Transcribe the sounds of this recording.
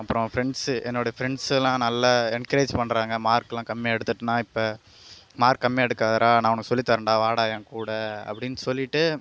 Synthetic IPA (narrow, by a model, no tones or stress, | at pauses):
ɐpːɯɾɔ̃fɪɾɛɳɖsɛnːoːɽɐfɪɾɛɳɖslãːnɐlːɐɛnkɐɾeːd͡ʒpɐɳːɾaːŋɡɐmaːɾkːɐlãːkɐmːiɛɽɯt̪ːɯʈːɯnãːɪpːɐ | maːɾkːɐmːɛɛɽɯkːaːðɐɾaːnãːɔnɐkːɐsɔlːit̪ːɐːɾɐɳɖaːʋaːɽaːjɐ̃ŋkuːɽɐɐ̰pːɐɽɪnːɯsɔlːɪʈːɯ